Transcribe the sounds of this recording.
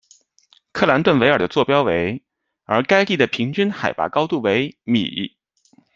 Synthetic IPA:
kʰɤ˥˩la˧˥nt̪wə˥˩nwe˧˥ɪə˞˨˩d̪ə˦t͡swɔ˥˩pjɑ˥ʊwe˧˥ɪ | ə˞˧˥ka˥ɪli˥˩d̪ə˩pʰi˧˥ŋt͡ɕy˥nxa˨˩ɪpa̰˥˩kɑ˥ʊt̪u˥˩we˧˥ɪmḭ˨˩˥

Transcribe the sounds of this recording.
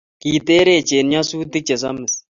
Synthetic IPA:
kiː˨t̪e˦ɾe˨t͡ʃe˨nɲɔ˦suː˦t̪ɪ˦k̚t͡ʃe˨s̬a˦mɪ˨s

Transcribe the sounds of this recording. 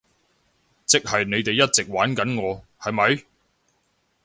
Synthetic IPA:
t͡sɪ˨k̚hɐ˨jne˨˧jt̪e˨jːɐ˥t̚t͡sɪ˨k̚waː˨˥nkɐ˨˥nŋɔː˨˧hɐ˨jmɐ˨˧j

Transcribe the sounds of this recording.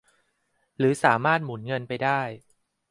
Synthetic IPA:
ɾɯː˩˦saː˩˦maː˥˩t̪̚muː˩˦nŋɤ˧npa˧jdaː˥˩j

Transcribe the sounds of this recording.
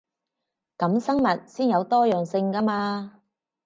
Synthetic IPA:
kɐ˨˥msɐ˥ŋmɐ˨t̚siː˥njɐ˨˧wt̪ɔː˥jœː˨˩ŋsɪ˧ŋkɐ˥maː˧

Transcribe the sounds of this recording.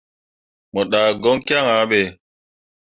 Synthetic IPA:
mɔ˨ɗaː˨ɡɔ˦ŋkja˦ŋa˨˦ɓe˨

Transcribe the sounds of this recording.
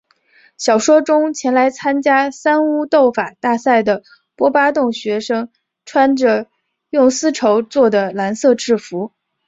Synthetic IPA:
ɕjɑ˨˩ʊʂwɔ˥ʈ͡ʂʊ˥ŋt͡ɕʰjɛ˧˥nla˧˥ɪt͡sʰa˥nt͡ɕja˥sa˥nu˥t̪o˥˩ʊfa˨˩t̪a˥˧sa˥˩ɪd̪ə˩ | pwɔ˥pa˥t̪ʊ˥˩ŋɕɥɛ˧˥ʂɤ˥ŋ | ʈ͡ʂʰwa˥nʈ͡ʂə˧ | jʊ˥˩ŋsɹ̩˥ʈ͡ʂʰo˧˥ʊt͡swɔ˥˩d̪ə˩la˧˥nsɤ˥˧ʈ͡ʂɻ̩˥˩fu˧˥

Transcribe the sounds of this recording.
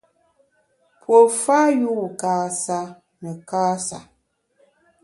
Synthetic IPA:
pʰwo˨fa˦ju˦˨ka˦sa˦ | mɛ˨ka˦sa̰˨

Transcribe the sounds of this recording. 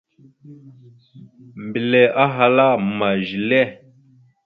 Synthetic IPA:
m˨bi˨lɛ˨ʔa˦ɦa˧la˦ma˨ʒi˨lɛ˦˨

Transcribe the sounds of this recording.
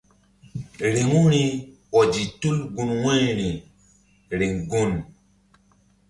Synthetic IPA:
ɾi˨ŋu˦ɾi˦wɔ˨d͡ʒi˨tu˦lɡu˧nwɛ˦ɾi˨ | ɾi˨ŋɡu˦n

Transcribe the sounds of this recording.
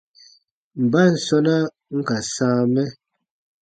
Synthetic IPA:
m̩˨ba˦˨n̩˨sɔ˦na˦ | ŋ̩˦ka˨sãː˦mɛ˦

